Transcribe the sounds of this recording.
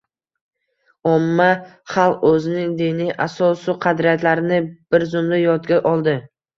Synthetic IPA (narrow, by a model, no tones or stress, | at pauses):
ɒmːa | χɑlˠqɵzɪnɪŋd̪iniʔasɒsʊqʰɑd̪ɾijat̪laɾɪnɪb̥ɪɾzʊmd̪ajɒt̪ɡʲaʔɒlˠd̪ɪ